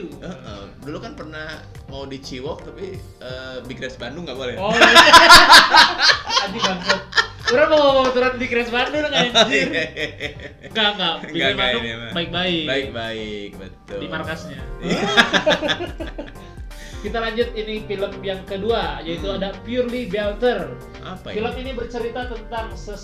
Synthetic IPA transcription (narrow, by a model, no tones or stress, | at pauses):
əʔə̰dulukanpərnah | mawdit͡ʃiwɔk̚t̪api | əːbikɾɛsbandʊŋɡabolɛɔ | ad͡ʒiɡampʊt̚uɾamasuɾat̪̚bikɾɛsbandʊlŋajad͡ʒi | ŋɡaŋɡaʔbiɡbaʊabaɪk̚baɪkaɪk̚baɪk̚bət̪ʊdimarkasɲa | kit̪alaɲd͡ʒʊt̪̚inifiləmjaŋkəduajait̪uadapiurlibealt̪ər | apafiləminibərt͡ʃəɾit̪at̪ənt̪aŋsə